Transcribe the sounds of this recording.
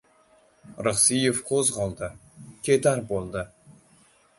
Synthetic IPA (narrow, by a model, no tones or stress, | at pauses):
ɾəχsijevqʰozʁɑlˠd̪əkʲʰed̪aɾbolˠd̪ə